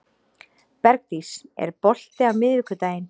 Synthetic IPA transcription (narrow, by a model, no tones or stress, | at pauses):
pɛɾk̚t̪isɛ̰ɾpɔl̥t̪ɪawmɪðvɪkʏt̪aːjɪn